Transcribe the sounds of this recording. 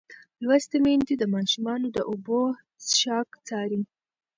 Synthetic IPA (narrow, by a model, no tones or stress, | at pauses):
lwast̪emend̪id̪əmɑʃumɑnod̪əʔʊbo | ʃɑkt͡sɑɾi